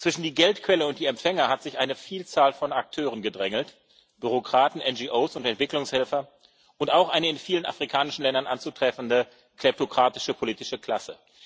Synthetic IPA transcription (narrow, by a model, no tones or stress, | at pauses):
t͡sv̥ɪʃn̩diːɡɛltkv̥ɛləʊntd̥iːɛmpfɛŋɐhatz̥ɪçʔaɪnəfiːlt͡saːlfɔnak̚tʰøːʁ̞ənɡədʁɛŋl̩t | b̥yʁokʁ̥aːtn̩ʔɛnd͡ʒiːʔoːsʊntɛntv̥ɪklʊŋshɛlfɐ | ʔʊntaʊxʔaɪnəɪnfiːləna̰fʁ̥ikʰaːnɪʃn̩lɛndɐnʔant͡sutʁ̥ɛfn̩də | kʰlɛp̚tokʁ̥aːtɪ̥ʃəpʰoliːtɪʃəkl̥asə̰